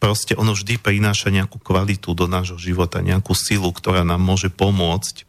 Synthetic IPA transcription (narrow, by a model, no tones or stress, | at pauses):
pɾɔscɛʔɔnɔvʒd̪ipɾinaːʃaɲɛakuːkʋalit̪ud̪ɔnaːʒɦɔʒiʋɔt̪a̰ɲɛ̰akuːsilukt̪ɔɾaːnaːmːʊɔʒɛpɔmʊɔt͡sc